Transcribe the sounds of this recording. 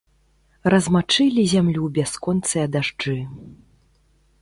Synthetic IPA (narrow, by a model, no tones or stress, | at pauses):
rɐzmat͡ʂɨlʲizʲamlʲubʲaskɔnt̪sɨjɐd̪aʐd͡ʐɨ